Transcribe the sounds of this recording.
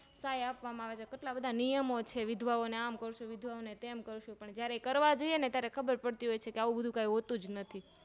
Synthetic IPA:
sajapʋamãaʋet͡ʃʰekeʈlabəd̪ʱanijəmot͡ʃʰeʋɪd̪ʱʋaoneamkəɾoʃuʋɪd̪ʱʋaonet̪emkəɾuʃũpəɳd͡ʒjaɾekəɾʋad͡ʒoienet̪jaɾekʰəbəɾpəɽt̪iɦojt͡ʃʰekeaʋũbəd̪ʱũkaiɦot̪ũd͡ʒnət̪ʰi

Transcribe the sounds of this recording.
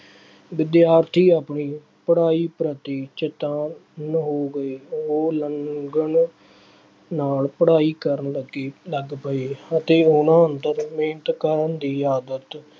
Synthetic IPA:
ʋɪd̪jaːɾt̪ʰiːaːpɳiː | pəɽaːiːpɾət̪iːt͡ʃɪt̪ãːnɦoːɡəeːoːləŋɡəɳ | naːlpəɽaːiːkəɾnləɡeːləɡpəeːət̪eːʊnãːənt̪əɾmeːnət̪kəɾənd̪iːaːd̪ət̪

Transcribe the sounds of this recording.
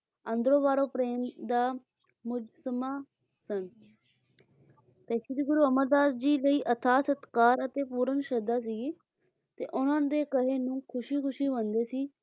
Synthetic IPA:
ənd̪ɾõːbaːɾõːpɾeːmd̪aː | mʊd͡ʒsəmaː | sən | p̪ɛːʃiːd̪iːɡʊɾuːəməɾd̪aːsd͡ʒiːləiːʔət̪ʰaːsət̪kaːɾət̪eːpuːɾənʃəd̪aːs̬iː | t̪ḛːʔʊnãːnd̪eːkəɦeːnũːkʰʊʃiːkʰʊʃiːʋə̃nd̪eːsiː

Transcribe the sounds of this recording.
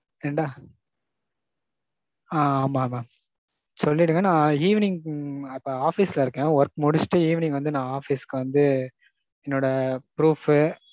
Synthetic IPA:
ɛɳɖaː | aːaːmaːmaː | sɔlːɪɽɯŋɡɐnãːiːʋnɪŋɡɐpːoaːfisɪlɐɪɾɯkːɛ̃ːʋɐɾkmʊɽɪsʈːɯiːʋɪnɪ̃ŋɡʋɐnd̪ɯnãːaːfiskːɯʋɐnd̪ɯ | ɛnːoːɽɐpɪɾuːfɯ

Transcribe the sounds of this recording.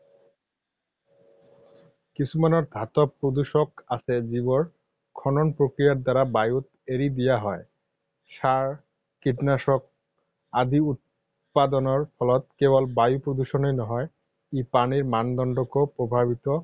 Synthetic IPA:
kisʰumanɔɾd̪ʱat̪ɔpɾod̪uʃɔkasʰɛzibɔɹ | kʰɔnɔnpɾokɾijaɾd̪aɾabajut̪ | eɾid̪ijaɦɔe | ʃaɹ | kiʈnaʃɔk̚ | ad̪iut̪̚ | pad̪ɔnɔɹpʰɔlɔt̪̚kebɔlbajupɾod̪uʃɔnejnɔɦɔe | ipaniɹmand̪ɔnɖɔkopɾobʱabit̪ɔ

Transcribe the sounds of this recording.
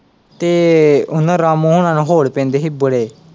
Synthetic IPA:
t̪eːʊnãːɾaːmũːɦʊnãːnũːɦoːɽpẽːnd̪eːɦiːbəɽeː

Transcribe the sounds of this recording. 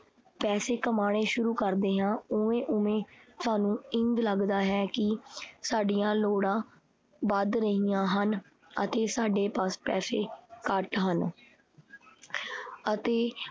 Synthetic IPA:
pɛːseːkəmaːɽ̃eːʃʊɾuːkəɾd̪eːɦãːʊẽːʔʊẽːt̪ʊaːnũːɪŋɡləɡd̪aːɦɛːkɪsaːɖijãːloːɽãː | bəd̪ɾəɦijãːɦən | ə̰t̪eːsaːɖeːpəspɛ̰ːseːkəʈɦən | ət̪eː

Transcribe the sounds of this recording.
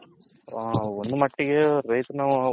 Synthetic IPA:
ond̪umɐʈːiɡeɾɐjt̪naː

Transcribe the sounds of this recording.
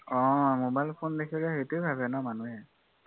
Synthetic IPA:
ɔ̃mobajlpʰondekʰiɹɛɦetejbʱabɛnamanuɛ

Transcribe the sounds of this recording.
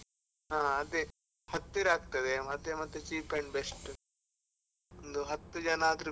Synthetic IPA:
ɦãːɐt̪ːe | hɐt̪ːiɾaːɡ̚t̪ɐd̪emɐt̪ːemɐt̪ːet͡ʃiːpkɐɳɖbesʈ | ond̪uɦɐt̪ːud͡ʒɐnaːt̪ɾ

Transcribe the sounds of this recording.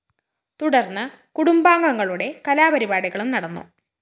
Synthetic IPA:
t̪uɽɐrnːɨ | kuɽumbaːŋɡɐŋːɐɭuɽe̞kɐlaːbɐɾibaːɽiɣɐɭumnɐɽɐnːṵ

